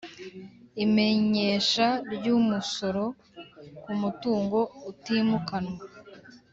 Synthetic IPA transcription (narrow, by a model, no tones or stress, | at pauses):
ime̞ɲe̞ːʃaɾɟumuso̞ɾo̞ | kumutuːŋɡo̞utimukanwa